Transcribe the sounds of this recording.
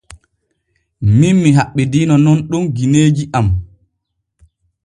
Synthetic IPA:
minmiɦaɓːɛdiːnɔnɔnɗumɡineːd͡ʒiʔam

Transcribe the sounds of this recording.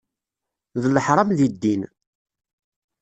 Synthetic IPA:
ðəlːəħɾˤɑmðid̪ːin

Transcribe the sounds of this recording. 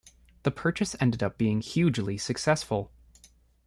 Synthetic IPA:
ðəpʰɜ˞t͡ʃɨsɛ̃ndɨɾʌp̚b̥iɪ̃ŋhjʉd͡ʒlisɨksɛsfəl̩ˠ

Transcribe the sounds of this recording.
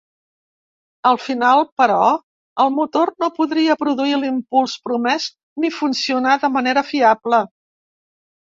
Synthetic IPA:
əlˠfinalˠpəɾɔ | əlˠmut̪ornopuðɾiəpɾuðuilimpulˠspɾumɛz | nifunsiunaðəməneɾəfiablə

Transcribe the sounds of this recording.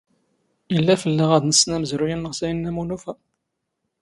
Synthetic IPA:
ilːæfəlːəʁæðnəsnæməzɾujænːəʁsæjənːæmunufæ

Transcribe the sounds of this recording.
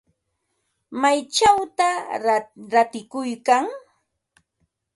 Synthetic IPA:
majt͡ʃawt̪a | ɾat̪ɪkʊjkaŋ

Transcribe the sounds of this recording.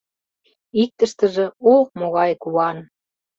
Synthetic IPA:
ik̚t̪əʃt̪ə̆ʒĕomoɣɑjkuɑn

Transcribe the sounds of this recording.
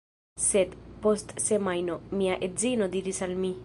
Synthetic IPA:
set̪pɔst̪semajnɔmiaʔezinɔd̪iɾisalmi

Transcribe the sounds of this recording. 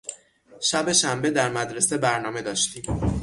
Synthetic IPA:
ʃæbe̞ʃæmbe̞d̪æɾmæd̪ɾe̞sebæɾnɒːme̞d̪ɒːʃt̪iːm

